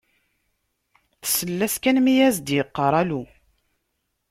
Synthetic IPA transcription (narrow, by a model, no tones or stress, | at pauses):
θə̥səlːæskænmijæzd̪jəqːəɾˤælu